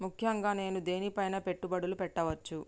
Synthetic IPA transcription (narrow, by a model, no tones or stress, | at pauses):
mukʰjɐŋɡaːne̞ːnud̪e̞ːnipɐjnɐpe̞ʈːubɐɽulupɛʈːɐʋɐt͡ʃːu